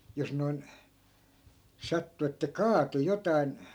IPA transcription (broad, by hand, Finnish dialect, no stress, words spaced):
jos noi̯n sɑtːu etːæ kɑːtu jotɑin